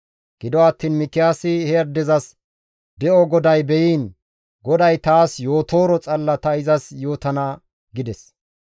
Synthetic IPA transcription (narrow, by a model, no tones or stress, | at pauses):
ɡ̥ɪd̪ɔɐt̪ːiːnmɪk̪ːɪjaːsɪhɛɐɾd̪ɛzɐs | d̪ɛʔɔɡɔd̪ɐjbɛjiːn | ɡɔd̪ɐjt̪aːsjo̞ːt̪o̞ːɾɔt͡sʼɐlːɐt̪ɐɪzɐsjo̞ːt̪ɐnɐ | ɡɪd̪ɛs